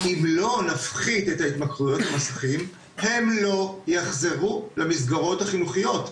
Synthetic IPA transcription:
imlo̞nafχid̪et̪ait̪makʁujo̞t̪hamasaχim | he̞mlo̞jaχze̞ʁulamisɡaʁo̞thaχinuχijo̞t̪

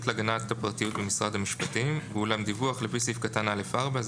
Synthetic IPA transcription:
tleaɡanattːapʁt̪ijut̚bemisʁad̪hamiʃpatimvulamd̪ivuaχlefisifkatanalefaʁbaz

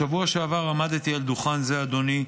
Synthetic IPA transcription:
avuaʃeavaʁamad̪t̪iald̪uχanzead̪o̞ni

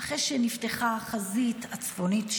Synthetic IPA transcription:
aχeʃenifteχaχazitat͡sfonitʃ

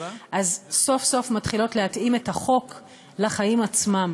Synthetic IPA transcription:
ʔazso̞fso̞fmatχilo̞tlehatime̞taχo̞k | laχajimat͡smam

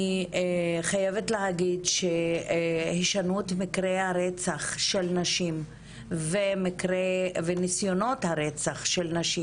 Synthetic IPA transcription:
i | χajevetleɦaɡidʃe | hiʃanuetmikʁehaʁet͡saχʃelnaʃim | vemikʁevenisjo̞no̞thaʁet͡saχʃelnaʃi

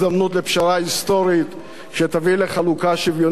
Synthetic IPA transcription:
damnut̪lepʃaʁaist̪o̞ɾit̪ | ʃet̪avileχalukaʃivjon

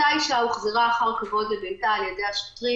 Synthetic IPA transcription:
aiʃauχzeʁaːχaʁkavo̞dlebentaːljedejaʃo̥tʁi

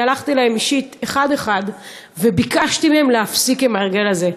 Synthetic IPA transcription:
alaχt̪ilahemiʃit̪e̞χad̪e̞χad̪ | ve̞bikaʃt̪imeemleafsikemaʁɡe̞laze̞

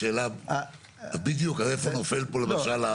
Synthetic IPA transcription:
eːla | abid̪eokalefonofelpolemaʃala

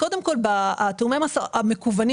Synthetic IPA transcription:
kod̪e̞mko̞lbaat̪umemasaamekuvani

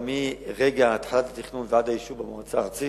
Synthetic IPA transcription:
miʁeɡaːt̪ħalatlat̪iχnunveadajiʃuvbamoat͡saʁt͡si

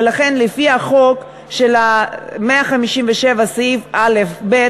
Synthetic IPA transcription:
laχe̞nlefiaχo̞k | ʃelameaχamiʃimveʃevasivʔalefbe

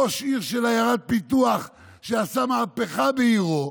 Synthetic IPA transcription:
oʃiʁʃelajaʁat̪̚pit̪uaχ | ʃeasamaːpeχabeiʁo

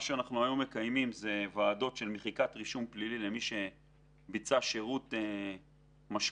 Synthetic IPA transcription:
ʃeanaχnuajome̞kajmimze̞vaːd̪o̞tʃe̞lmeχikat̪ʁiʃumplililemiʃe̞ | bit͡saʃeʁut̪e | maʃ

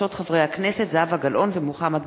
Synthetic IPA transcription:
o̞t̪χavʁejhaknese̞t̪zavhaɡalʔo̞nvemuχamat̪

